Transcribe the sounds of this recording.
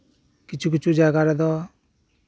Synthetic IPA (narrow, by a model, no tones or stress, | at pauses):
kit͡ʃʰuk̬it͡ʃʰud͡ʒaɡaɾɛd̪ɔ